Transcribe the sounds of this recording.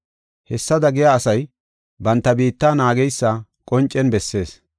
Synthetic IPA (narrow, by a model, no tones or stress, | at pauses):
hɛsːɐd̪ɐɡɪjaːsɐj | bɐnt̪ːɐbiːt̪ːaːnaːɡɛjsːɐkʼɔnt͡ʃʼːɛnbɛsːe̞ːs